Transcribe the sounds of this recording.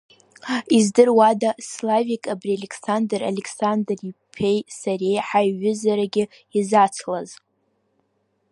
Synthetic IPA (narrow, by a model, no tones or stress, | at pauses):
izdɨrwadaslavikʼabrialʲekʰʼsandra̰lekʰsandripʰejsare̞jħajːʊzaɾaɡʲɪ | izat͡sʰlaz